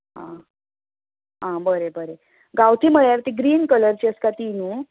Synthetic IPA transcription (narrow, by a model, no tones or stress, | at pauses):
ɦã̰ | ɦãbəɾebəɾe | ɡawt̪ʰiːm̤əɭjaɾt̪iɡɾiːnkələɾt͡ɕiəskat̪inuː